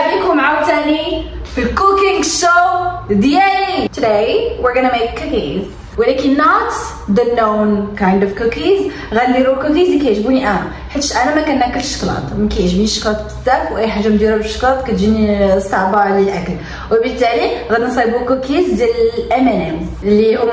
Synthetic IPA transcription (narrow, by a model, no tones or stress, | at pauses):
bikhʊmʕawt̪ænifilkukɪŋɡʃod̪jælit̪dæiwiɾɡənəmekːukiz | wəlækinːɔt̪ | d̪ənownkãjnd̪ɔfkukiz | ɣæd̪nd̪iɾukukizikæjʒbuniʔæ | ħət̪ːʃʔænæmækænʔækəlʃə̥klɑ̰t̪ˤmænkæjʒbniʃːə̥klɑt̪̚bə̥sæfwʔæħaʒːamd̪iɾabəʃə̥klɑt̪kæt̪ʒinisɑʕbaʕlilʔækl | wəbət̪ːæliɣæd̪nsˤibukukizd̪jæləlʔæmænæn | əlːihʊm